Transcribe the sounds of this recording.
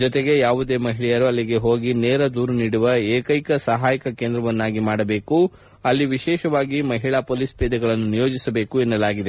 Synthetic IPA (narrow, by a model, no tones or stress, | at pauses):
d͡ʒɔt̪eɡe̞jaːʋud̪e̞ːmɐɦiɭɛjɐɾuɐlːiɡe̞ɦo̞ːɡineːɾɐd̪uːɾuniːɽuʋɐeːkɐjkɐsɐɦaːjikɐkeːnd̪ɾɐʋɐnːaːɡimaːɽɐbe̞ːku | ɐlːiʋiʃɛːʃɐʋaːɡimɐɦiɭaːpoːlispɛːd̪ɛɡɐɭɐnːunijo̞ːd͡ʒisɐbe̞ːkuenːɐlaːɡid̪e